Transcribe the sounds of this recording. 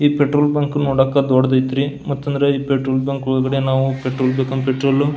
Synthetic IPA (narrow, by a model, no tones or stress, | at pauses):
iːpeʈɾoːlbʲaŋkunoːɽɐkːɐd̪ɔːɽɐd̪ɐjt̪iɾimɐt̪ːɐnd̪ɐɾe̞iːpeʈɾoːlbʲɐŋkʋɐɭɡɐɽenaːʋupeʈɾoːlbeːkɐmpeʈɾoːlu